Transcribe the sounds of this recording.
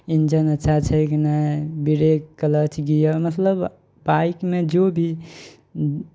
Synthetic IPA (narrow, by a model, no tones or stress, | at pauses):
ind͡ʒənətːʃʰat͡ʃʰəkinabiɾekkələt͡ʃʰɡijəmət̪ləb | baikmed͡ʒobʱi